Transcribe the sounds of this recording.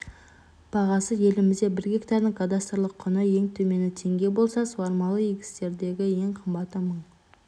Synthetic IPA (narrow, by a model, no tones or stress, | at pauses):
b̥ɑʁɑsəje̞lɪmɪzd̪e̞bɪɾɡʲe̞kt̪ɑɾd̪əŋkʰad̪ast̪rlˠəqʰːʊnəje̞ŋt̪ʰɵme̞nɪt̪ʰe̞ŋɡʲe̞bo̞lˠsɑsəwɑɾmɑlˠəjeɡʲɪ̥st̪e̞ɾd̪e̞ɡʲɪje̞ŋqʰəmbɑt̪ːəməɴ